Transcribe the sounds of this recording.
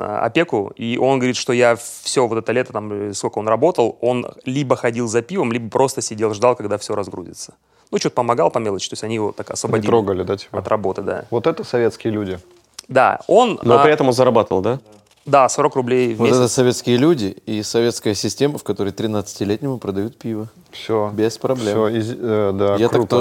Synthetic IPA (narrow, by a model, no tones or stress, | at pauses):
ɐ̰pʲe̞kʊiʔo̞nɡəvɐɾʲit̪ʂt̪o̞jafsʲovo̞t̪ɛt̪əlʲe̞t̪ət̪amskolkəo̞nrɐbo̞t̪əlˠo̞nlʲibəxɐdʲilˠzɐpʲivəmlʲibəpɾʔo̞st̪əsʲɪdʲe̞lˠʐd̪alˠkɐɡd̪afsʲo̞ɾɐzɡɾṵzʲɪ̰t̪sə̥ | nut͡ɕot̪əpəmɐɡalˠpɐmʲelˠət͡ɕt̪osʲtʲɐnʲijɪvo̞t̪akɐsvəbɐdʲit̪ɾoɡəlʲɪd̪atʲpɐt̪ɾrɐbo̞t̪əd̪a̰vot̪ɛt̪əsɐvʲet̪skʲɪjəlʲudʲɪ | d̪a̰o̞nnoɾɪɛt̪əmonzəɾɐbat̪əvəlˠd̪a | d̪aso̞ɾəkrʊblʲejvmoet̪ɛt̪əsɐvʲet̪skʲɪjəlʲudʲɪisɐvʲet̪skəjəsʲɪsʲtʲeməfkɐt̪o̞ɾəjt̪ɾʲɪnat̪sɨ̥tʲɪlʲetʲnʲɪmʊpɾəd̪ɐjut̪̚pʲivə | fsʲobʲespɾɐblʲemoɪzd̪ajatɾaukt̪o